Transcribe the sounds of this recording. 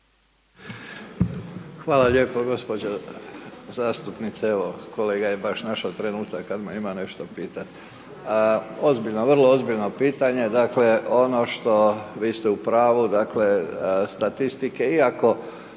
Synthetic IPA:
xʋaːlaʎe̞ːpoɡo̞spod͡ʑo | zaːst̪upnit̪seeʋoko̞leːɡajebaʃnaʃat̪ɾe̞nuːt̪akːad̪maimane̞ʃt̪opiːt̪at̪ | o̞zbiʎnoʋr̩lˠo̞o̞zbiʎno̞piːt̪aɲe̞d̪akle̞o̞no̞ʃt̪o̞ʋiːst̪e̞upɾaːʋud̪akle̞st̪at̪ist̪ike̞iako̞

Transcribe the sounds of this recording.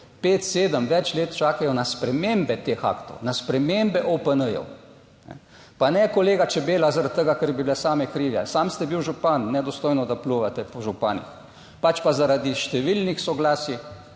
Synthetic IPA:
peːt̪seːd̪əmʋɛt͡ʃleːt̪t͡ʃaːkajɔnaspɾɛmeːmbɛt̪exa̰kt̪ɔ̰wnaspɾɛmembɛʔopənəjɔ̰w | nɛ̰ | panɛkɔleːɡat͡ʃɛbeːlazaɾat̪̚t̪ːəɡakəɾbiblɛsaːmɛkɾiːʋja̰samst̪ɛbiwʒupanːɛd̪ɔst̪oːjnɔd̪apluʋat̪ɛpɔʒupaːnḭx | pat͡ʃpazaɾad̪iʃt̪ɛʋilnixsɔɡlaːsi

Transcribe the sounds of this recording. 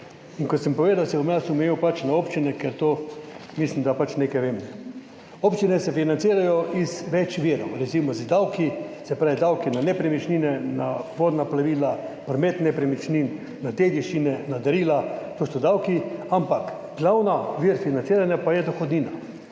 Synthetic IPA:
iŋkɔt̪səmpɔʋeːd̪awsɛɔmnasumɛjiwpat͡ʃnaopt͡ʃinɛkɛɾt̪oːmislimd̪apat͡ʃneːkɛjʋeːmɛ | opt͡ʃinɛsɛfinant̪siːɾajɔʔizʋɛt͡ʃʋiɾɔ̰wɾɛzimɔzd̪awkisɛpɾaːʋid̪awkinanɛpɾɛmit͡ʃniːnɛnaʋoːd̪naplaʋiːlapɾɔmeːt̪nɛpɾɛmit͡ʃniːnː | at̪ed̪jiʃt͡ʃinɛnad̪ɐɾiːlat̪osɔd̪awkiampak | ɡlawnaʋiɾfinant̪siːɾanjapajɛd̪ɔxɔd̪niːna

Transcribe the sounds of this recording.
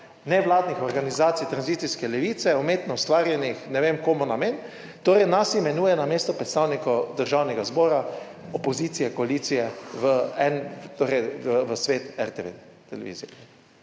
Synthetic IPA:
nɛʋlaːd̪nixɔɾɡanizaːt̪sijt̪ɾanziːt̪siskɛlɛʋiːt̪sɛumeːt̪nɔust̪ʋaːɾjɛnixnɛʋeːmkoːmunameːn | t̪oːɾɛjnasimɛnuːjɛnameːst̪ɔpɾɛt̪st̪aːwnikɔd̪əɾʒawnɛɡazbɔːɾa | ɔpɔziːt̪sijɛkɔaliːt̪sijɛʋəɛnt̪oːɾɛjəʋəsʋeːt̪ɛɾt̪eʋḛ | t̪ɛlɛʋḭzɛ

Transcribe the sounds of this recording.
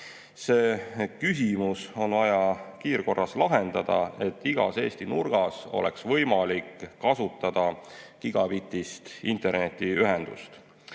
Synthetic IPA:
se̞ːkysimuso̞nvɑjɑkiːrko̞rːɑslɑɦe̞nd̪̥ɑd̪̥ɑ̰e̞t̪ːiɡ̥ɑ̰se̞ːst̪inurɡ̥ɑso̞̰le̞̰ksvɤjmɑlikːɑsut̪ːˑɑd̪̥ɑkiɡ̥ɑpit̪ːˑist̪int̪e̞rne̞t̪ːiyɦe̞nd̪̥ṵst̪

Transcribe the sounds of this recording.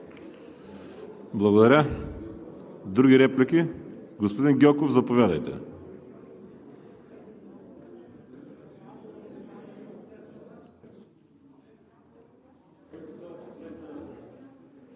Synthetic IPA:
blˠɐɣod̪ɐɾʲa | d̪ɾuɡʲiɾɛplikiɡospod̪inɡʲɔkovzɐpovʲjad̪ɐjt̪ɛ̰

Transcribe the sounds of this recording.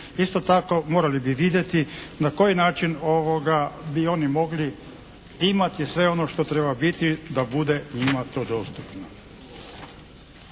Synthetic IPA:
ist̪o̞t̪ako̞mo̞ɾalibiʋid̪je̞t̪inako̞jinaːt͡ʃino̞ʋoɡabio̞nimo̞ɡli | imat̪isʋe̞o̞no̞ʃt̪o̞t̪ɾe̞babit̪id̪abud̪e̞ɲimat̪o̞ːd̪o̞ːst̪upno

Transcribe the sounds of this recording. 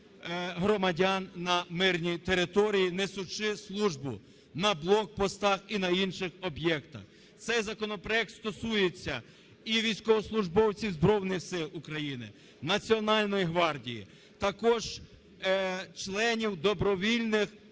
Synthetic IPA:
ɦɾɔmɐdʲanːɐmɪrnʲit̪eɾɪt̪ɔɾʲijinesʊt͡ʃɪslˠuʒbʊ̰ | nɐblˠɔk̚pɔst̪ɑxinɐinʃɪxɔbjɛkt̪ɐ̰x | t̪sɛjzɐkɔnɔpɾɔjɛk̚t̪st̪ɔsujet͡sʲːɐ | iʋʲijsʲkɔʋɔslˠʊʒbɔwt͡sʲizbɾɔwnɪxsɪlˠukɾɐjinɪ̰ | nɐt͡sʲiɔnɑlʲnɔjiɦʋɑrdʲijḭ | t̪ɐkɔʒ̥ | t͡ʃlˠɛnʲiwd̪ɔbɾɔʋʲilʲnɪx

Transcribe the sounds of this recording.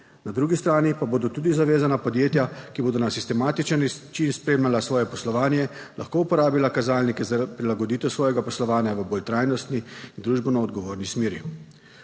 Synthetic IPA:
nad̪ɾuːɡist̪ɾaːnipaboːd̪ɔt̪uːd̪izaʋeːzanapɔd̪jeːt̪jakiboːd̪ɔnasist̪ɛmaːt̪it͡ʃənt͡ʃinspɾeːmjalasʋɔːjɛpɔslɔʋaːnjɛ | lʔaxkoupɔɾaːbilakazaːlnikɛzapɾilaɡɔd̪iːt̪ɛwsʋɔːjɛɡapɔslɔʋaːnjaʋəbolt̪ɾajnɔst̪niːnd̪ɾuːʒbɛnɔːd̪ɡɔʋoːɾnismeːɾjḭ

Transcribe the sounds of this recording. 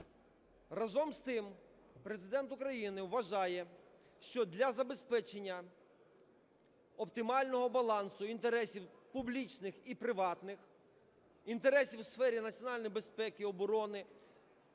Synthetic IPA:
rɐzɔmst̪ɪm | pɾe̞zɪd̪ɛnt̪ʊkɾɐjinɪwʋɐʒɑjɛ | ʃt͡ʃɔd̪lʲɐzɐbe̞spɛt͡ʃenʲːɐ | ɔpt̪ɪmɑlʲnɔɦɔbɐlˠɑnsʊint̪e̞ɾɛsʲiwpʊblʲit͡ʃnɪxipɾɪʋɑt̪nɪx | int̪e̞ɾɛsʲiwsfɛɾʲinɐt͡sʲjɔnɑlʲnɔjbe̞spɛkɪɔbɔɾɔnɪ

